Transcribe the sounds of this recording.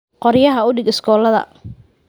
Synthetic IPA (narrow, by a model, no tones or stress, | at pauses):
qɔɾjɐɦɐʊɖɪɡɪskɔːlɐðɐ̰